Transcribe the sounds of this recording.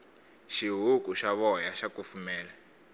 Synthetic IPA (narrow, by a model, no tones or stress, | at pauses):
ʃiɦukʼuʃaβɔjaʃakufumɛːla